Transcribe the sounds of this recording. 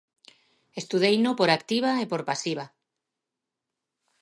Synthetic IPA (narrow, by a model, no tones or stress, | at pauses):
est̪uðejnopoɾakt̪iβ̞aepoɾpasiβ̞a